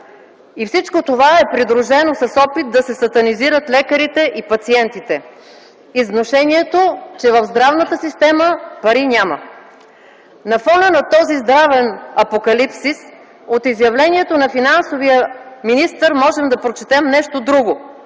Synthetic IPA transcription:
ifsit͡ʃkot̪ovaɛpɾid̪ɾuʒɛnosɐsɔpit̪̚d̪ɐsɛsɐt̪ɐniziɾət̪lɛkəɾit̪ɛʔipɐt̪siɛnt̪it̪ɛ | iznoʃɛniɛt̪ot͡ʃɛvəvzd̪ɾavnət̪əsist̪ɛməpɐɾinʲamə | nɐfɔnənɐt̪ɔzizd̪ɾavɛnɐpokɐlipsis | ot̪izjɐvlɛniɛt̪onɐfinansovijəminist̪əɾmɔʒɛmd̪ɐpɾot͡ʃɛ̥t̪ɛmnɛʃt̪od̪ɾuɡo

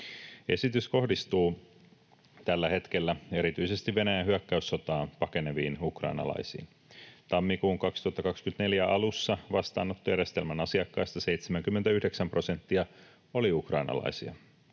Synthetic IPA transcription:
e̞̰sit̪ysko̞hdist̪uː | t̪ælːæhe̞t̪k̟elːæe̞ɾit̪yise̞st̪iʋːe̞næjænɦyækːæysːot̪ɑːnpɑke̞ne̞ʋiːnukrɑ̰inɑ̰lɑ̰isḭːn | t̪ɑmːikuːŋkɑkst̪uhɑt̪ːɑkɑkskyt̪ne̞ljæʔɑlusːɑʋɑst̪ɑ̰ːnːot̪ːojæɾjest̪elmænɑsiɑkːɑjst̪ɑse̞ijt̪semæŋk̟ymːent̪æyhde̞ksæmpro̞se̞nt̪ːiɑ | o̞liukrɑinɑ̰lɑ̰isiɑ̰

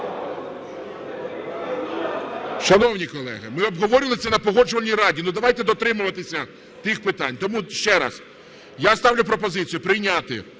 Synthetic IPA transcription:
ʃɐnɔwnʲikɔlˠɛ̰ɦɐmɪɔbɦɔʋɔɾʲɪlˠɪsʲɐnɐpɔɦɔd͡ʒʊʋɐlʲijɾɑdʲinud̪ɐʋɑjt̪ɛd̪ɔt̪ɾɪmʊʋɐt̪ɪsʲɐ | t̪ɪxpɪt̪ɑnʲt̪ɔmuʃt͡ʃɛɾɐ̰s | jast̪ɑwlʲʊpɾɔpɔzɪt͡sʲijʊpɾɪjnʲat̪ɪ

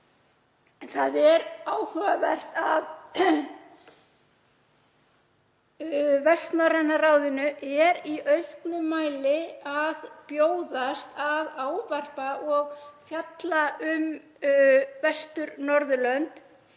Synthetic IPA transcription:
nθaðɛɾaːwhœɣavɛr̥t̪að | vɛst̪nɔrɛnːaraːwðʏnʏʔɛɾiʔœɥhknʏmːaːjlɪaðpjoːwðast̪aðaːwvar̥paʔɔɣfjat̪laʏm | vɛst̪ʏɾnɔɾðʏlœnt̪

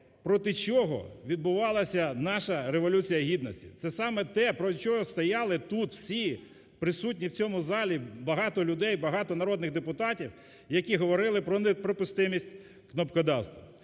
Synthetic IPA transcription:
pɾɔt̪ɪt͡ʃɔɦɔ̰ʋʲid̪̚bʊʋɑlˠɐsʲɐnɑʃɐɾeʋɔlʲut͡sʲijɐɦʲid̪nɔsʲtʲḭt̪sɛsɑmɛt̪ɛpɾɔt͡ʃɔɦɔst̪ɔjɑlˠɪt̪ut̪w̥sʲi | pɾɪsut̬̚ʲnʲiwt͡sʲɔmʊzɑlʲibɐɦɑt̪ɔlʲʊd̪ɛjbɐɦɑt̪ɔnɐɾɔd̪nɪɣd̪epʊt̪ɑtʲiw | jɐkʲiɦɔʋɔɾɪlˠɪpɾɔnepɾɔpʊst̪ɪmʲisʲtʲ | knɔpkɔd̪ɑwst̪ʋɐ̰

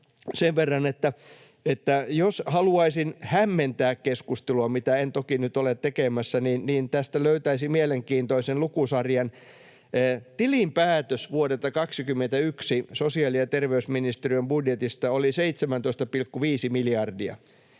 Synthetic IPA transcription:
seʋʋerːɑnet̪ːæ | et̪ːæjoshɑluɑisinhæmːent̪æːkkeskust̪eluɑmit̪æent̪okinyt̪olet̪t̪ːekemæsːæninniːnt̪æst̪æløyt̪æisimieleŋkiːnt̪oisenlukusɑrjɑnː | t̪ilimpæːt̪øsʋuoɾet̪ːɑkɑksikymːent̪æyksisosiɑliɑt̪erʋeysminist̪eriømbudjet̪ist̪ɑoliseit̪semænt̪oist̪ɑpilkːuʋiːsimiljɑrdiɑ̰

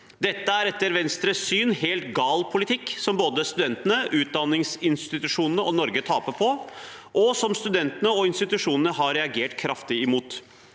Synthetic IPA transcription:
d̪ɛt̪ːəæɾɛt̪ːəɾʋɛnst̪ɾəsyːnheːlt̪ɡɑːlpʰʊlɪt̪ʰɪkːsɔmboːd̪əst̪ʉd̪ɛnt̪ənəʔʉːt̪̚d̪ɑnːɪŋsɪnst̪ɪt̪ʉʂuːnənəɔnɔɾɡət̪ʰɑːpəpʰɔ | ʔɔsɔmst̪ʉd̪ɛnt̪ənəɔɪnst̪ɪt̪ʉʂuːnənəɦɑɾɛɑɡeːʈkʰɾɑft̪ɪɪmuːt̪

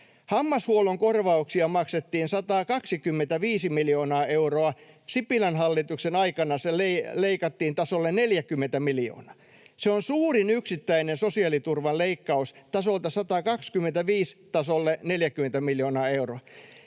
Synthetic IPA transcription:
hɑmːɑshuoloŋkorʋɑuksiɑmɑkset̪ːiːnsɑt̪ɑːkɑksikymːent̪æʋiːsimiljoːnɑːeuroɑ | sipilɑnhɑlːit̪uksenɑikɑnɑseleleikɑt̪ːiːnt̪ɑsolːenneljækymːent̪æmiljo̰ːnɑ̥ | seonsuːrinyksit̪ːæinensosiɑlit̪urʋɑleikːɑust̪ɑsolt̪ɑsɑt̪ɑkɑkskymːˑent̪æʋiːst̪ɑsolːeneljækyment̪æmiljoːnɑːeuroɑ

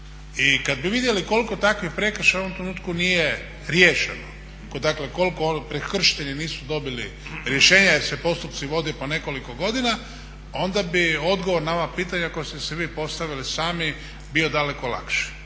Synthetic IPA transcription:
ikad̪̚biʋid̪jeliko̞liko̞t̪akʋixpɾe̞kr̩ʃaoʋomt̪ɾenuːt̪kunije | ɾjeːʃeno | kod̪akleko̞lkopɾekr̩ʃi̥t̪eʎiniːsud̪o̞biliɾjeʃeːɲasepo̞st̪upt̪siʋo̞d̪ijopone̞ko̞liko̞ɡo̞d̪ina | o̞nd̪abio̞d̪ɡo̞ʋoɾnao̞ʋapiːt̪aɲako̞jest̪esɛʋiːpo̞st̪aʋilisaːmi | bio̞d̪ale̞kola̰kʃi̥

